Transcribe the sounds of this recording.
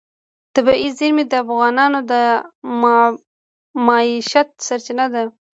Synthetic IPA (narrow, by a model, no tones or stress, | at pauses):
t̪abiʔizɪɾmid̪əafɣɑnɑnod̪ə | mɑiʃat̪̚saɾt͡ʃɪnad̪a